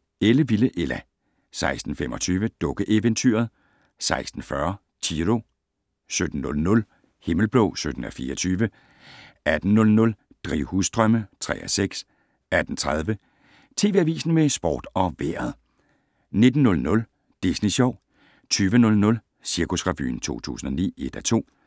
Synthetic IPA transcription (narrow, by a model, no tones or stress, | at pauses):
eləʋiləʔelæ | sɑ̈ɪsd̥n̩fem̰ʔɒ̽t͡sʰyːʋəd̥ɔ̽ɡ̥əʔeʋent͡sʰy̰ːɐð̞ˠ | sɑ̈ɪsd̥n̩fɶɐ | t͡sʰiʁo̝ | sød̥n̩ːɔlnɔ̽l | he̝ml̩b̥lɔʊsød̥n̩ɒfiːɐɒt͡sʰyːʋə | æd̥n̩ːɔ̽lnɔ̽l | d̥ʁiʊ̰husd̥ʁɶmət͡sʰʁɛ̰ːʔseɡ̥s | æd̥n̩t͡sʰʁað̞ˠʋə | t͡sʰe̝ːʋe̝æʋḭːsn̩mesb̥ɒ̰ːd̥ɒ̽ʋeɐð̩ˠ | ne̝d̥n̩ːɔ̽lnɔ̽l | d̥isniɕɒʊ̰ | t͡sʰyːʋənɔ̽lnɔ̽l | siɐkʰusʁɑ̈ʋy̰ːn̩t͡sʰo̝̰ːt͡sʰṵːsn̩ɒ̽nḭːe̝d̥æt͡sʰo̝̰ː